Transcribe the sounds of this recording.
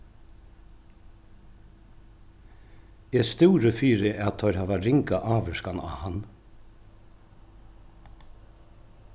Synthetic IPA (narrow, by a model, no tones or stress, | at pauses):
ɛst̪uːɾəfiːɾɪʔat̪ʰœʏɾhaːʋaɾɪŋkaʔaːʋɛʂkana̰han